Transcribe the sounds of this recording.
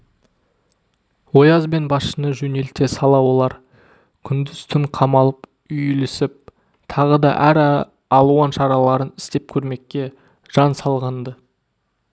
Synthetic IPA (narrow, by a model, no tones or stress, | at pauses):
wo̞jɑzbe̞nbɑsʃənəʒɵne̞lt̪e̞sɑlˠɑwo̞lˠɑɾ | kʲʰʏnd̪ɪz̥t̪ʰʏŋqʰɑmɑlˠəp | ʏjlɪsɪp̚ | t̪ʰɑʁəd̪ɑ̰ʔæɾ | ɑlˠuwɑnʃɑɾɑlˠɑɾənɪ̥st̪e̞p̚kʲʰɵɾme̞kʲːe̞ | ʒ̥ɑnsɑlˠʁɑnd̪ə